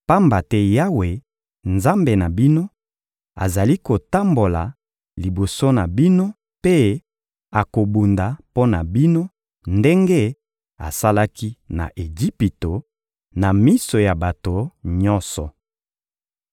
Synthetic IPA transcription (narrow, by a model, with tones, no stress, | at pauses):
pa˦mba˨tɛ˦ja˦we˨ | nza˦mbe˨na˨bi˦no˦ | a̰˨za˨li˦ko˨ta˦mbo˨la̰˨ | li˨bo˨so˦na˨bi˦no˦ | pe˦ | a˨ko˨bu˨nda˨po˦na˨bi˦no˦ | nde˦ŋɡe˦ | a̰˨sa˦la˦ki˦na̰˨ʔe˨d͡ʒi˦pi˨to˨ | na˨mi˦so˨ja˨ba˨to˨ɲɔ̃˦nsɔ˨